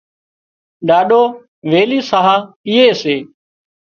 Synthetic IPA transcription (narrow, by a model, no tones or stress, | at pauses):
ɗaːɗoː | ʋeːliːsaɦaː | ɪːeːseː